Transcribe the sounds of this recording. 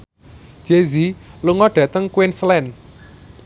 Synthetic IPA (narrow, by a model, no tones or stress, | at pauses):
d͡ʒ̥eziluŋɔɖ̥ä̤t̪əŋkuwɪnslɛn